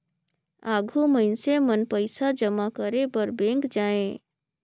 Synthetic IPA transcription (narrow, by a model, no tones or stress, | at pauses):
aːɡʱuməɪnsemənpəɪsad͡ʒəmakəɾebəɾbẽːŋkd͡ʒaːẽ